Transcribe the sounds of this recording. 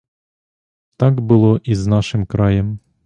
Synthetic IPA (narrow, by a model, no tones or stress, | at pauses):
t̪ɑɡbʊlˠɔʔiznɑʃɪmkɾɑjɛm